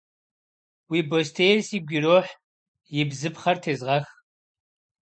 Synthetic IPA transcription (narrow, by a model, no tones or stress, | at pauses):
wiːbostʰeːjrsiːɡʷɪroːħ | jɪbzɨpχɐrtʰeːzʁɐx